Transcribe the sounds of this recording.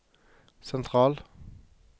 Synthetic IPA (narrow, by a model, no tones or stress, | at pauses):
sɛnt̪ʰʁɑːl